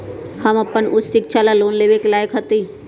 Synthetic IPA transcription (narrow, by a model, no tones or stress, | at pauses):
hɐmɐpənʊssɪkt͡ʃʰalaloːnleːʋekelaːjəkɦət̪iː